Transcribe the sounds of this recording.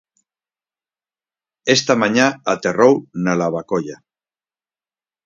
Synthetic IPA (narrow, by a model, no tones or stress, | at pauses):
est̪amaɲaat̪erownalaβakoʎa